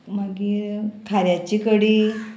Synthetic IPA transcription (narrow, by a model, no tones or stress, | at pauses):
maɡiːt̪ʰaɾjat͡ɕikəɽiː